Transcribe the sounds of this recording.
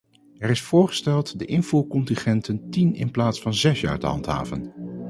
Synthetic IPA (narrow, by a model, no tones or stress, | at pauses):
ɛrɪsfʊːɹχə̥stɛlˠtdəʔɪnvuːkɔntɪnχɛntəntinɪ̰nplaːtsfɑnzɛsja̰ːɹdə̰ɦɑ̰ntɦa̰ːvə̰n